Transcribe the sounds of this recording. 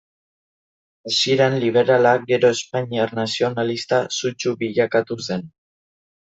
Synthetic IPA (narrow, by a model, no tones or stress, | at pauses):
asieɾenliβ̞e̞ɾalaɡe̞ɾo̞espaɲiarnasio̞nalist̪asut͡ʃuβiʎakat̪use̞n